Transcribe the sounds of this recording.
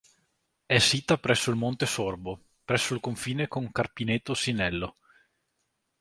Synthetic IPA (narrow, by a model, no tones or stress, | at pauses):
ɛsːiːt̪apɾɛsːoilmont̪esorbo | pɾɛsːoilkoɱfiːnekoŋkarpinet̪ːosinɛlːo